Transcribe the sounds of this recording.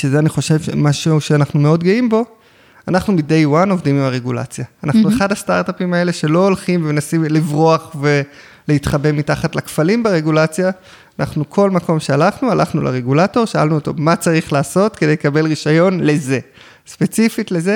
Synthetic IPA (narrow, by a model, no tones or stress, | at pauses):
ʃezeaniχo̞ʃe̞vʃḛmaʃuʃeanaχnumeo̞dɡeimbo̞ | anaχnumide̞jwano̞vdimimaʁe̞ɡula̰t͡sjaːnaχnueχadastaʁtapimae̞le̞ʃe̞lo̞ːlχimvemenasimlivʁoaχve̞ | leitχabe̞mitaχatlakfalimbaʁe̞ɡulat͡sja | anʔaχnukʰo̞lmako̞mʃe̞alaχnualʔaχnula̰ʁeɡulato̞ʁʃaa̰lnuoto̞mat͡saʁiχlaːso̞tkede̞jlekabe̞lʁiʃajo̞nle̞ze̞ | spe̞t͡sifitleze